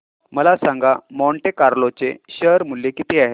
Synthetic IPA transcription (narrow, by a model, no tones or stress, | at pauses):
məlasãŋɡamɔɳʈekaɾlot͡seɕəɾmuljekit̪ʰeaɦe